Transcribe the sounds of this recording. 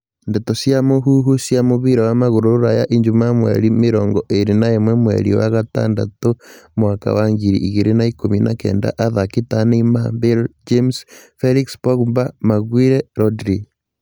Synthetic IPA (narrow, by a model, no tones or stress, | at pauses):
ndetosjamoɦuɦusjamoβiɾawamaɣuɾouɾajaʔiɲd͡ʒumamwḛɾimiɾɔːŋɡɔʔeɾinaemwemwḛɾḭwa̰ɣata̰ːnda̰tomwaka̰waŋɡiɾḭʔːɣiɾenaikomina̰kḛːnda̰ʔaðakitanimambeld͡ʒemsfeɾikspoɣumbamaɣwiːɾeɾodɾi